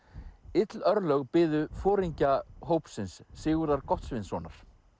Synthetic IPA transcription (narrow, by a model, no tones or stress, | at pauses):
ɪt̪lœɾlœɣpɪːðʏfɔːɾiɲcaɦoːwpsɪnsːɪːɣʏɾðaɾkɔht̪svɪnsvɔːnaɾ̥